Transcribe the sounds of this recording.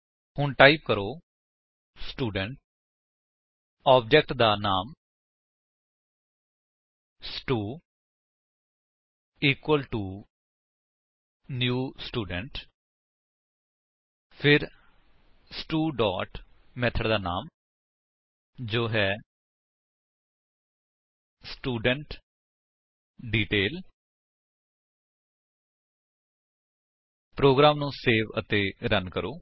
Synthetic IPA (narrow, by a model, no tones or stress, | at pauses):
hʊɳʈaːip̚kəɾoː | sʈuːɖəɳʈ | aːb̚d͡ʒɛk̚ʈd̪aːnaːm | sʈuː | iːkwəlʈuː | njuːsʈuːɖəɳʈ | pʰɪɾ | sʈuːɖɔːʈmɛːt̪ʰəɽd̪aːna̰ːm | d͡ʒoːɦɛː | sʈuːɖəɳʈ | ɖiːʈeːl | pɾoːɡɾaːmnũːseːʋət̪ẽːɾənkəɾoː